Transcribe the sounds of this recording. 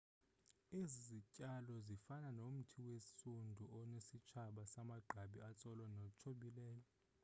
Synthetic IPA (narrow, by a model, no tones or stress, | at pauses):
izizicʼalɔzifananom̩tʰiwesundʱuʔɔnesit͡ʃʰaɓasamaɡ͡ǃʱaɓiat͡sʼɔlɔnɔt͡ʃʰoɓilɛːjɔ